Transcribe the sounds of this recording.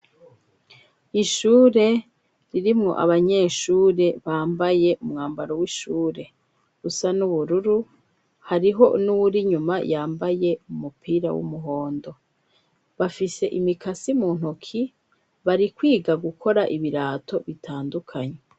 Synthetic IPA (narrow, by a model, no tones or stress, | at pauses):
iʃuːɾe̞ | ɾiɾimŋo̞̰ʔa̰βaɲe̞ːʃuːɾe̞βaːmbaje̞ʔumŋaːmbaɾowiʃuːɾe̞ | ɡusanuβuɾuɾu | haɾiɦo̞̰nuwuɾiɲumajaːmbaje̞umupʰiɾa̰wṵmuɦo̞ːndo̞ | βafise̞ʔimikʰasimuːn̥hukʰi | βaɾikwiːɡaɡukʰo̞ɾaʔiβiɾaːtʰo̞βitʰaːndukʰaɲe̞